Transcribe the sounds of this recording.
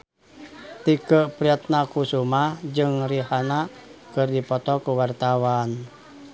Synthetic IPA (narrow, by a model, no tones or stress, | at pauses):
t̪ikəʔpɾiat̪̚nakusumahd͡ʒɨŋriɦanakɨrdipɔt̪ɔkuwart̪awan